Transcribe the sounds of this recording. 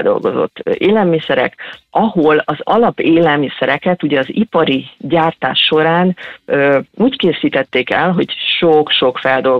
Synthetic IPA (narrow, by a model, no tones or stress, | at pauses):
ld̪o̞̰lɡo̞̰zo̞̰t̪ːeːlɛlmisɛɾɛ̰kɒɦo̞lɒzɒlɒpeːlɛlmisɛɾɛkɛt̪uɟɛɒzipɒɾiɟaːrt̪a̰ːʃːo̞ɾaːnøuːckeːsiːt̪ɛt̪ːeːkɛlɦo̞ɟʃokʃo̞kfɛld̪o̞l